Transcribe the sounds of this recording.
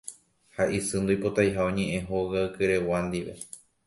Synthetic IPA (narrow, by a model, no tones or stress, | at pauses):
haʔisɨ̃nd̪oipot̪ajɦaõɲẽʔẽɦoɣaɨkɨɾe̞wand̪iʋe̞̰